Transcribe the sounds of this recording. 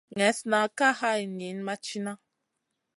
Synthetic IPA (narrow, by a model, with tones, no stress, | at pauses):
ŋɛ˨˦sna˨ka˦ha˦i˨ni˨˦n˦ma˦t͡ʃi˦na˦